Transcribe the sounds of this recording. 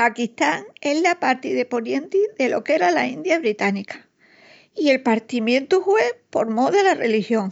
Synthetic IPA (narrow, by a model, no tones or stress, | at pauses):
akiht̪aŋe̞ɦlapaɾt̪iðe̞po̞ɾje̞nt̪iðe̞lo̞ke̞ɾalaind̪jaβ̞ɾit̪anikḁ | ie̞lpaɾt̪imjẽ̞nt̪uhwe̞po̞ɾmoðelarḛlihjo̞ŋ